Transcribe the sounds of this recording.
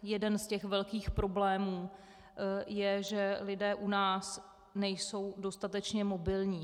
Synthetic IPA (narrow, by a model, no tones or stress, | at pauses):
jɛdɛnscɛxvɛlkiːxpɾo̞blɛːmuː | jɛʒɛlɪdɛːʔunaːs | nɛjso̞wdo̞st̪at̪ɛt͡ʃɲɛmo̞bɪlɲiː